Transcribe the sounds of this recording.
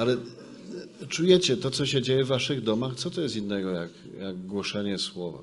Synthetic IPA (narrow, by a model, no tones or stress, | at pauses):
alɛ | t͡ʂujɛt͡ɕɛt̪ɔt̪sɔɕɛd͡ʑejɛvːaʂɘɣd̪ɔmaxt̪sɔt̪ɔjɛst̪ʲinːɛɡɔjak | jaɡɡwɔʂɛɲɛswɔva̰